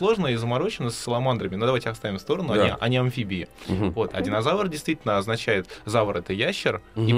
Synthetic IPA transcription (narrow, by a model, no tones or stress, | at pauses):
slˠo̞ʐnəizəmɐɾo̞t͡ɕɪnəsʲːəlˠɐmand̪ɾəmʲɪno̞d̪ɐvajʲtʲɪɐst̪avʲɪmfst̪o̞ɾənʊɐiʔɐ̰nʲɪɐnfʲibʲɪɪvo̞t̪ɐ̰dʲɪnɐzavərdʲɪjst̪vʲitʲlnəɐznɐt͡ɕæjɪt̪zavəɾɛt̪əjæɕːɪri